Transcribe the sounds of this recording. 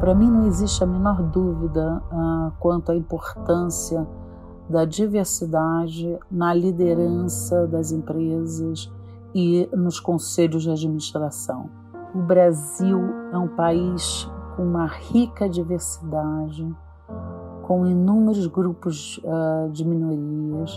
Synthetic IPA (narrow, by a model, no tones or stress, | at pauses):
pɾɐmĩnɐ̃w̃eziʃt͡ʃɪɐmẽnɔɾd̪uvid̪ɐakwɐ̃nt̪ʊɐĩpoɾt̪ɐ̃siɐ | d̪ɐd͡ʒiveɾsid̪ad͡ʒɪnɐlid̪eɾɐ̃sɐd̪ɐzẽmpɾezɐs | ɪnʊskõseʎʊzd͡ʒɪad͡ʒminiʃt̪ɾasɐ̰̃w̃ | ʊbɾaziwɛũpaiʃkõũmɐhikɐd͡ʒiveɾsi̥d̪ad͡ʒɪ | kõw̃inũmeɾʊzɡɾupʊzɛd͡ʒɪminoɾiɐs